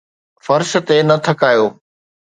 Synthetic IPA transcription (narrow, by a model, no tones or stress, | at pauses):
fɐɾʃ̆t̪enɐt̪ʰɐkaːjoː